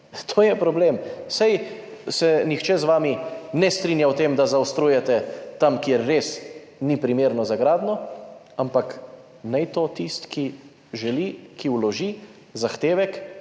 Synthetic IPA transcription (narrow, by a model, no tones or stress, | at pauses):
t̪ʰoːjɛpɾɔbleːmsaj | sɛnixt͡ʃɛzʋaːminɛst̪ɾinjawt̪eːmd̪azawst̪ɾuːjɛt̪ɛt̪amkjeɾːeːs | nipɾimeːɾnɔzaɡɾaːd̪nɔ | ampak | nɛjt̪ot̪ist̪ki | ʒɛlikʰiwlɔʒi | zaxt̪eːʋɛk